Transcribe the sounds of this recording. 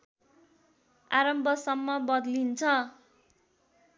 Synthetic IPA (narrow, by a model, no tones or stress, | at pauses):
aɾʌmbʱʌsʌmːʌbʌd̪lint͡sʰʌ